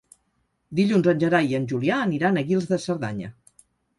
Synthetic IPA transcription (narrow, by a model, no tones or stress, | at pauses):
d̪iʎunzənʲʒəɾajənʲʒuliaːniɾanəɣilˠzðəsəɾða̰ɲə̰